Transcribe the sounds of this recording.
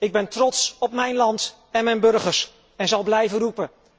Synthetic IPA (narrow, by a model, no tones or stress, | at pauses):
ɪɡ̚bɛntrɔtsɔp̚mɛjnlɑnt | ɛnmɛjnbɵɹχəɹs | ɛnzɑlˠblɛjvənrupə